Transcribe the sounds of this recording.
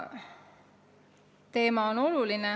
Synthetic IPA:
t̪e̞ːmɑono̞luline

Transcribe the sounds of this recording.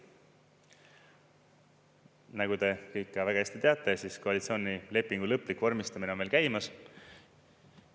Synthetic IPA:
næɡ̥ut̪e̞kɤjkːɑvæɡ̥ɑesʲt̪it̪e̞ɑt̪ːˑe̞siːsko̞ɑlit̪sio̞ːnʲile̞pːˑiŋɡulɤpːˑlikːvormist̪ɑmineo̞nmelkæjmɑs

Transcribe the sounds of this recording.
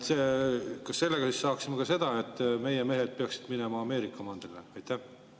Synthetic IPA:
t̪sekɑsse̞lːeɡɑsisːɑːksimekɑse̞d̪̥ɑe̞t̪ːˑme̞jeme̞ɦe̞d̪̥̚peɑksi̥d̪̥minemɑɑme̞ːɾikːˑɑmɑnd̪̥eleɑjt̪ːˑæh

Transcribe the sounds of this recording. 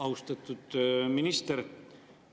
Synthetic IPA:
ɑwst̪ɑt̪ːˑud̪̥minist̪eɾ

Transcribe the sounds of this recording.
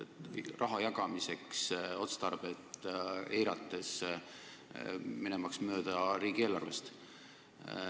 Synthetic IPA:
t̪ːrʔɑɦɑjɑɡɑmise̞kso̞t̪st̪ɑrb̥et̪ːejɾɑt̪ˑːe̞s | minemɑksmøːd̪̥ɑɾiːɡ̥ielːɑrvest̪

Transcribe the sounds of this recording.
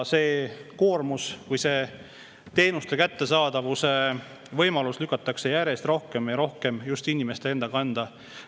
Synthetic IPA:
se̞ːko̞ːrmuskujse̞ | t̪e̞ːnust̪e̞kæt̪ːe̞sɑːd̪ɑvuse̞ | vɤjmɑluslykːˑɑt̪ːˑɑkse̞jæɾe̞st̪ro̞hke̞mjɑɾo̞hke̞mjust̪inʲimest̪e̞e̞nd̪ɑkɑnd̪̥ɑ

